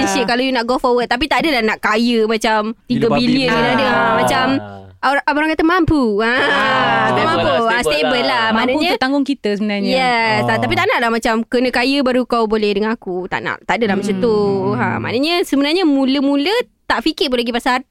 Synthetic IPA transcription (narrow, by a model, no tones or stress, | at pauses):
ɛnsikalawjunaʔɡofɔwət̪̚ːap̬it̪aadəlahnaʔkajəmãt͡ʃamt̪iɡəbiliənkənadəamãt͡ʃamoɾaʔaoɾaŋkat̪əmampua | mãmpuast̪ebəlːamãnaɲə̃t̪aŋɡʊŋkit̪əsəbənaɲjɛsat̪ap̬it̪aʔnaʔlahmat͡ʃamkənə̃kajəbaɾukawbolɛhdəŋãnakut̪a̰ʔna̰ʔt̪aʔdəlahmat͡ʃat̪uã̰ma̰nəɲəsəbənarɲəmũləmũlət̪aʔfikɪpʊnlaɡipasan